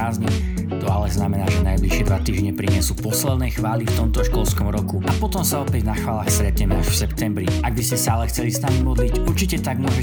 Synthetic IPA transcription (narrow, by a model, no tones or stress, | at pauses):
aːzɲi | t̪ɔalɛznamɛnaːʒɛnajbliʃɪɛd̪ʋat̪iːʒɲɛpɾiɲɪɛsuːpɔslɛd̪nɛjxʋaːlift̪ɔmt̪ɔʃkɔlskɔmɾɔkuʔapɔt̪ɔmsaɔpɛɟnaxʋaːlaːxst̪ɾɛt̪ɲɛmɛaʃfsɛpt̪ɛmbɾiaɡ̚biscɛsaalɛxt͡sɛlisnamimɔd̪licuɾt͡ʃicɛt̪aɡmʊɔʒɛ